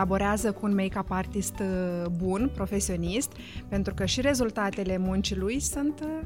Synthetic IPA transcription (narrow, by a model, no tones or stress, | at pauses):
abo̞ɾeazəkuːnmejkapart̪ist̪bunpɾo̞fe̞sio̞nist̪ | pe̞nt̪ɾukəʃiɾe̞zult̪at̪e̞le̞munt͡ʃilujsunt̪